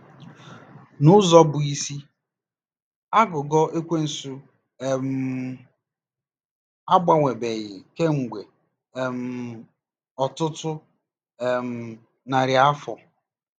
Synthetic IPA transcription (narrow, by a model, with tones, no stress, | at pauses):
nʊ˦zɔ˦bʊ˨i˦si˦ | a˦ɡʊ˨ɡɔ˦e˦kʷe˦n̩˨su˦˨ | m̩˦ | a˦ɡ͡ba˨ŋʷe˨be˨ɣɪ˨ke˦ŋ̩˨ɡʷe˨ | m̩˨ | ɔ˨tʊ˦tʊ˦ | e˨m̩˨ | na˨ɾja˦fɔ˨